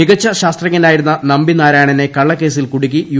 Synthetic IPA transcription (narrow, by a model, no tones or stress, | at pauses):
iɣɐt͡ɕːɐɕaːst̪rɐŋːɐnaːjiɾunːɐnɐmbinaːɾaːɳɐne̞kɐɭːɐkːe̞ːsilkuɽik̬ʲːiju